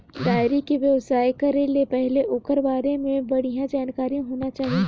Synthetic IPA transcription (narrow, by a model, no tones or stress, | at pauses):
d̪aːjɾikiʋjɐʋsaːjkɐɾelepɛɦleʔoːkəɾʋaːɾemẽbɐɽ̤ijãd͡ʒaːnkaːɾĩɦoːnat͡ʃaːɦie